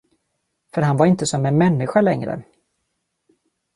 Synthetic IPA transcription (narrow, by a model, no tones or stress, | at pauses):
fœɾɦanvaɾɪnt̪əsɔmɛnmɛnːɪɧalɛŋɾə̰